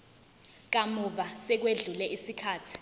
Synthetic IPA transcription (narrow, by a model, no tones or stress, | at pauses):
k̬amuɓasɛk̬weɮulɛʔisikʰaːtʰi̥